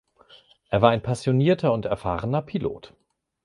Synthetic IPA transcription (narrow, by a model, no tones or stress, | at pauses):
ʔeːɐvaːɐaɪnpʰasjoniːɐtʰɐʊntɛɐfa̰ːʁənɐpʰilo̰ːt